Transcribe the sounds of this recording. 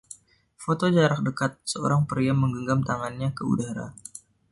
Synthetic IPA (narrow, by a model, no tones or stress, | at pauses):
fot̪od͡ʒaɾak̚dəkat̪̚səoɾaŋpəɾiamːəŋɡəŋɡamt̪aŋanɲakəṵdaɾa̰